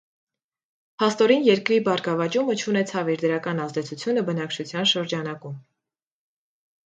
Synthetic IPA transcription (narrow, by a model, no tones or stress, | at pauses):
pʰɑst̪ɔɾinjɛɾkɾibɑɾɡɑvɑt͡ʃumət͡ʃʰunɛt͡sʰɑviɾd̪əɾɑkɑnɑzd̪ɛt͡sʰut͡sʰjunəbənɑkt͡ʃʰut͡sʰjɑnʃəɾd͡ʒɑnɑkum